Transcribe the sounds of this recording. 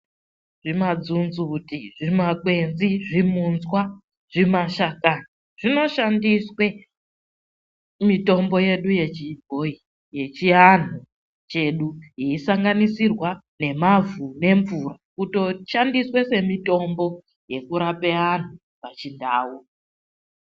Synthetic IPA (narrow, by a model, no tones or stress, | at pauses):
ʐ̥imad͡zunzutiʐimakwe̞nziʐimunzwa | ʐ̥imaʃakana | ʐ̥ino̞ʃandiswe̞ | mito̞mbo̞je̞ɗuje̞t͡ʃiɡʱoi | je̞t͡ʃian̤u | t͡ʃe̞ɗuɦiisaŋɡanisirwa | ne̞mavune̞ɱvurakuto̞ʃandiswe̞se̞mito̞mbo̞ | je̞kuɾapean̤u | pat͡ʃindaːwu